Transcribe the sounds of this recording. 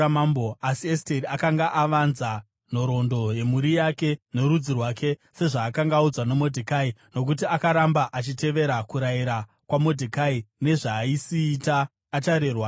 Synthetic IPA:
amamboasiesteɾiakaŋɡaʔaʋanza | n̤o̞ɾo̞ndo̞je̞muɾijake̞no̞ɾud͡zirwakʰe̞se̞ʐaːkaŋɡaud͡zwanemo̞dʱikaino̞k̬utiakaɾambaʔat͡ʃite̞ʋe̞ɾakuɾaiɾa | kwamo̞dʱikaine̞ʐaːisiːtaː | t͡ʃaɾerwa

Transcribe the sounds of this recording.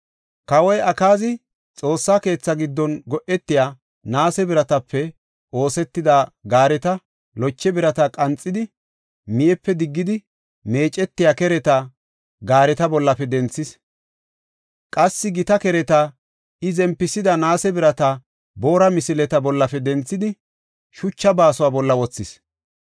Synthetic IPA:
kɐwɔjɐkaːzɪ | t͡sʼo̞ːsːake̞ːt͡sːɐɡɪd̪ːɔnɡɔʔɛt̪ːɪjaː | naːsɛbɪɾɐt̪ɐpːɛ | o̞ːsɛt̪ːɪd̪aɡaːɾɛt̪ɐ | lɔt͡ʃːɛbɪɾɐt̪ɐkʼɐnt͡sʼːɪd̪ɪ | mɪjɛpːɛd̪ɪɡːɪd̪ɪ | me̞ːt͡ʃʼːɛt̪ːɪjakɛɾɛt̪ɐ | ɡaːɾɛt̪ɐbɔlːɐfɛd̪ɛnt͡sːɪs | kʼɐsːɪɡɪt̪ɐkɛɾɛt̪ɐ | ɪzɛmpːɪsɪd̪ɐnaːsɛbɪɾɐt̪ɐ | bo̞ːɾɐmɪsɪlɛt̪ɐbɔlːɐfɛd̪ɛnt͡sːɪd̪ɪ | ʃʊt͡ʃːɐbaːsʊwaːbɔlːɐwɔt͡sːɪs

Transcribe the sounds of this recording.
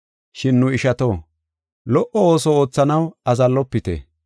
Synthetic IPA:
ʃɪnːʊɪʃɐt̪o̞ː | lɔʔɔoːsɔo̞ːt͡sːɐnɐwɐzɐlːɔpːɪt̪ḛ

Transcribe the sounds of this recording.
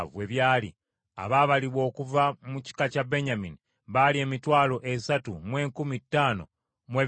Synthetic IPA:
we̞βjaːlḭ | a̰βaːβaliβwo̞ːkuvamuci̥kacabe̞ɲamini | βalie̞ːmitwaːlo̞ʔe̞satumwe̞ːŋkumitːaːno̞̰ | mwe̞

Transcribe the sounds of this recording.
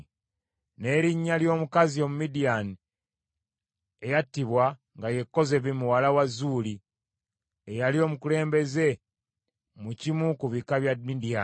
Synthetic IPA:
ne̞ːɾiɲːaljo̞ːmukazio̞mumidijani | ejatːiβwa | ŋɡaje̞kːo̞ze̞βimuwalawazuːli | ejalio̞ːmukule̞ːmbe̞ze̞ | mucimukuβikaβjamidia

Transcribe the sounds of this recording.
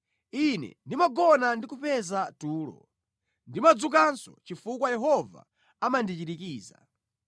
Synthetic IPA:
inɛ̰ndimaɡɔnandikupɛzatuːlɔ̰ | ndimad͡zuk̬ansɔ̰t͡ʃifukwajɛɦɔva̰ | amandit͡ʃiɾikiːza̰

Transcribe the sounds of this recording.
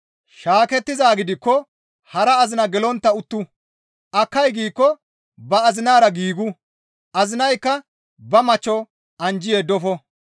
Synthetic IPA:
ʃaːkɛt̪ːɪzaːɡɪd̪ɪkːɔ | hɐɾɐːzɪnɐɡɛlɔnt̪ːɐʊt̪ːʊ | ʔɐkːɐjɡiːkːɔ | bɐɐzɪnaːɾɐɡiːɡʊ | ʔɐzɪnɐjkːɐ | bɐmɐt͡ʃːɔ | ʔɐnd͡ʒɪjed̪ɔfɔ

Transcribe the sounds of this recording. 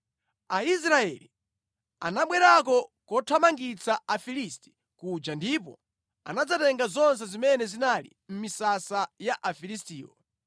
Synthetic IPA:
ais̬ɾaɛli | a̰naɓwɛɾakɔkɔtʰwamaŋɡit͡saafilisti̥ | kud͡ʒandipɔ̰ | a̰nad͡zatɛŋɡazɔns̬ɛzimɛnɛzinalḭm̩misasajaʔafilistiːwɔ̰

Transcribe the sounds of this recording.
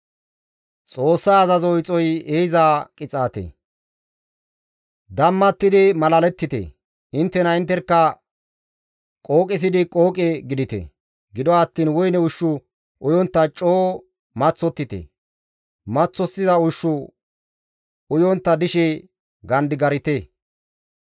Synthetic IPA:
t͡sʼo̞ːsːaːzɐzɔjt͡sʼɔjeːjɪzaːkʼɪt͡sʼaːt̪ḛ | d̪ɐmːɐt̪ːɪd̪ɪmɐlɐlɛt̪ːɪt̪ḛ | ɪnt̪ːɛnɐɪnt̪ːɛɾkːɐ | kʼo̞ːkʼɪs̬ɪd̪ɪkʼo̞ːkʼɛɡɪd̪ɪt̪ḛ | ɡɪd̪ɔɐt̪ːiːnwɔjnɛʊʃːʊ | ʔʊjɔnt̪ːɐt͡ʃʼːoː | mɐt͡sːɔt̪ːɪt̪ḛ | mɐt͡sːɔsːɪzɐʊʃːʊ | ʊjɔnt̪ːɐd̪ɪʃɛ | ɡɐnd̪ɪɡɐɾɪt̪eː

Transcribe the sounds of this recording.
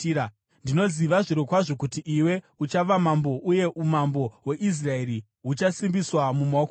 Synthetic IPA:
ndino̞ziʋaʐiɾokwaʐo̞kutiʔiwe̞ | ut͡ʃaʋamambo̞ʔuje̞ʔumambo̞we̞ʔis̬rae̞ɾi | ɦut͡ʃasimbiswamumaok

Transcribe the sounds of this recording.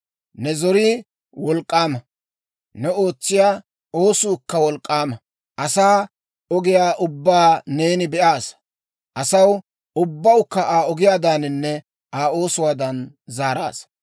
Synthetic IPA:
nɛzɔɾiː | wɔlkʼːaːmɐ | nɛo̞ːt͡sːɪjaː | o̞ːsʊːkːɐwɔlkʼːaːmɐ | ʔɐsaː | ɔɡɪjaːʔʊbːaːne̞ːnɪbɛʔaːs | ʔɐsɐw | ʊbːɐwkːɐʔaːɔɡɪjaːd̪aːnɪnːɛ | ʔaːo̞ːsʊwaːd̪ɐn | zaːɾa̰ːs

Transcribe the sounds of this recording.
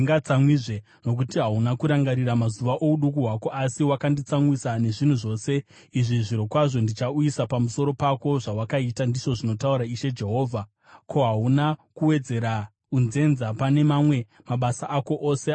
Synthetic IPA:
ŋɡat͡samwiʐe | no̞k̬utiɦaunakuɾaŋɡaɾiɾamazuʋaʔo̞uɗuk̬uɦwako̞ʔasiwakandit͡samwisane̞ʐin̤uʐo̞ːse̞ | iʐiʐiɾo̞kwaʐo̞ndit͡ʃauisapamuso̞ɾo̞pako̞ʐawakaitandiʐo̞ʐino̞tauɾaiʃe̞d͡ʒe̞ɦo̞ːvʱa | ko̞ɦaɦunakuwe̞d͡ze̞ɾa | unze̞nzapane̞mamwe̞ | maɓasaʔːko̞ʔose

